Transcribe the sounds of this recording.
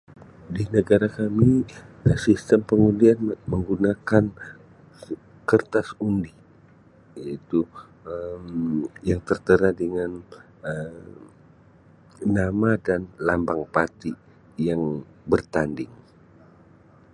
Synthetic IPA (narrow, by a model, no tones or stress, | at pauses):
dinəɡaɾakamiəsist̪əmpəŋundianməŋɡunakan | kərt̪asundi | jait̪u | əmjaŋt̪ərt̪əɾadəŋan | ə | amadanlambaŋpat̪i | jaŋ | bərt̪andɪŋ